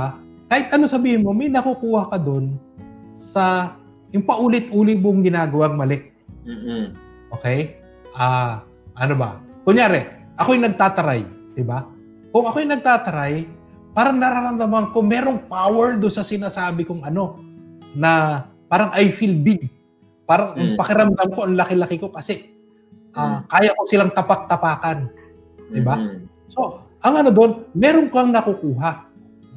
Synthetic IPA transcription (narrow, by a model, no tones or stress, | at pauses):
kaːhɪt̪ʔɐnosɐbiːhɪnmo̞mɐjnɐkukuːhɐkɐd̪o̞n | sɐ | jʊŋpɐʔuːlɪt̪ʔuːlɪmoŋɡɪnaːɡɐwaŋmɐlɛk̚ː | ʔokɛj | ʔaː | ʔɐnobɐ̰kʊŋɲjaːɾɛ | ʔɐkojnɐɡ̚t̪aːt̪ɐɾaj | d̪̥ɪba | kʊŋɐkojnɐɡ̚t̪aːt̪ɐɾaj | paːɾɐŋnɐɾaɾɐmd̪ɐmɐŋkʊŋmɛːɾoŋpaːwɛɹd̪onsɐsɪnaːsaːbɪkʊŋʔɐno̞nɐ | paːɾɐŋʔɐjfilbɪɡ̚ | paːɾɐŋʔɐŋpɐkɪɾɐmd̪amko̞ʔɐŋlɐkɪlɐkɪko̞kɐsɛ | ʔakaːjɐko̞sɪlaŋt̪ɐpak̚t̪ɐpaːkɐn | d̪ɪba | so̞ | ʔɐŋɐno̞d̪o̞nmɛːɾo̞ŋkɐŋnɐkukuːɦaʔ